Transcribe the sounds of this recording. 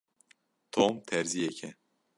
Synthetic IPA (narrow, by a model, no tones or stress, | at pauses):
t̪ʰomt̪ʰɛɾzijɛkʰɛ